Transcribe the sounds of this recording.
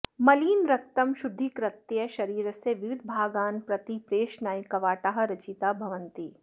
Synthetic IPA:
mɐliːnɾɐk̚t̪ɐmʃʊd̪ʱːikɾɐt̪jɐʃɐɾiːɾəseʋɪʋɪd̪ʱbʱaːɡaːnpɾɐt̪ipɾeːʃnaːikɐʋaːʈaːɦɐɾɐt͡ʃiːt̪abʱɐʋənt̪i

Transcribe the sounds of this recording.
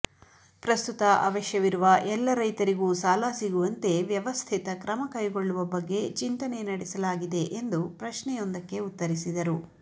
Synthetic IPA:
pɾɐst̪ut̪ɐʔɐ̰ːʋɐʃjɐʋiɾuʋɐʔɛlːɐɾɐjt̪ɐɾiɡuːsaːlaːsiɡuʋɐnt̪e̞ʋjɐʋɐst̪ʰit̪ɐkɾɐmɐkɐjɡo̞ɭːuʋɐbɐɡːe̞t͡ʃint̪ɐne̞nɐɽɛsɐlaːɡid̪e̞ʔend̪upɾɐʃɳɛjond̪ɐkːe̞ut̪ːɐɾisid̪ɐɾu

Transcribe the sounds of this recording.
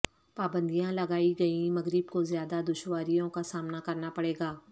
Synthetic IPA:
paːbə̃nd̪ijãlɐɡaːiɡɐĩmɐɣɾɪbkozjaːd̪ad̪ʊʃwaːɾijõkasaːmnakɐɾnapɐɽeːɡaː

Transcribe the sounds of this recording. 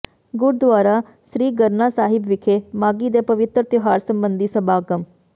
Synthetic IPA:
ɡʊɾd̪ʊaːɾaː | sɾiːɡəɾnaːsaːɦɪbʋɪkʰeːmaːɡiːd̪eːpəʋɪt̪ɾət̪ɪoɦaːɾsəmbənd̪iːsəbaːkəm

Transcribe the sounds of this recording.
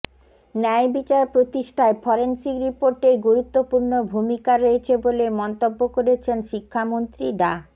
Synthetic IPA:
nɛjbit͡ɕaɾpɾot̪iʃʈʰaefɔɾensikɾipoɾʈeɾɡuɾut̪ːopuɾnobʱumikaɾoet͡ɕʰebolemɔnt̪obːokoɾet͡ɕʰenʃikʰːamont̪ɾiɖa

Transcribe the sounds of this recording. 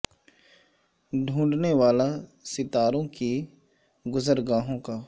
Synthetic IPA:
ɖʱũːɖneʋaːlasɪt̪aːɾõki | ɡʊzəɾɡaːɦõkaː

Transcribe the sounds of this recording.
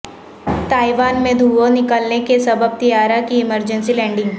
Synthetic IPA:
t̪aːiʋaːnmẽd̪ʱuːõnɪkəlnekesɐbəb̚t̪ijaːɾakiɪməɾd͡ʒə̃nsilɛ̃ːɳɖɪ̃ŋɡ

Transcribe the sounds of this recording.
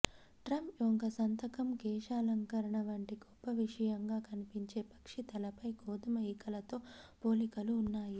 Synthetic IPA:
ʈɾɐmpjoŋkɐsɐnt̪ɐkɐmkɛːʂaːlɐŋkɐɾɐɳɐʋɐɳʈiɡɔpːɐʋiʂɐjɐŋɡaːkɐnipiɲt͡ʃe̞ːpɐ̥kʂit̪ɐlɐpɐjkɔːd̪ɐmɐikɐlɐt̪o̞ːpoːlikɐluːnːaːji

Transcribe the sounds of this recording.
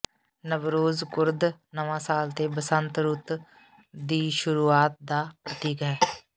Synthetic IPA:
nəʋɾoːzkʊɾd̪nəʋãːsaːlt̪eːbəsənt̪ɾʊt̪ | d̪iːʃʊɾuːaːt̪̚d̪aːpɾət̪iːkɦɛː

